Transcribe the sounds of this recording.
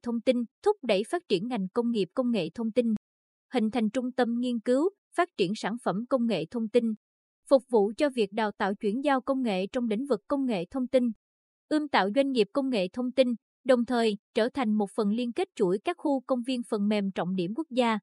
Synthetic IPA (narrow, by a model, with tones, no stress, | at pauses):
t̪ʰə˧wŋ͡mt̪i˧nt̪ʰʊ˦˥k͡p̚ɗə˧˩jfaː˦˥t̚t͡ɕi˧˩ənŋa˨˩jŋ̟kə˧wŋ͡mŋi˨˩əp̚kə˧wŋ͡mŋḛ˧˨t̪ʰə˧wŋ͡mt̪i˧n | hï˨ŋ̟t̪ʰa˨˩jŋ̟t͡ɕʊ˧ŋ͡mt̪ə˧mŋi˧ənkɨ˨˦w | faː˦˥t̚t͡ɕi˧˩ənsaː˧˩nfə˧˩mkə˧wŋ͡mŋḛ˧˨t̪ʰə˧wŋ͡mt̪i˧n | fʊ˨˩k͡p̚vṵ˧˨t͡ɕɔ˧vi˨˩ək̚ɗa̰ː˨wt̪a̰ː˧˨wt͡ɕwi˧˩ənzaː˧wkə˧wŋ͡mŋḛ˧˨t͡ɕɔ˧wŋ͡mɗḭ̈˧˥˦ŋ̟vɨ˨˩kːə˧wŋ͡mŋḛ˧˨t̪ʰə˧wŋ͡mt̪i˧n | ʔɨ˧mt̪a̰ː˧˨wzwa˧jŋ̟ŋi˨˩əp̚kə˧wŋ͡mŋḛ˧˨t̪ʰə˧wŋ͡mt̪i˧n | ɗə˨˩wŋ͡mt̪ʰəː˨˩jt͡ɕəː˧˩t̪ʰa˨˩jŋ̟mo˨˩t̚fə˨˩nli˧ənke˦˥t̚t͡ɕu˧˩jkaː˦˥k̚xu˧kə˧wŋ͡mvi˧ənfə˨˩nmɛ˨˩mt͡ɕɔ̰˧˨wŋ͡mɗi˧˩əmku˦˥ək̚zaː˧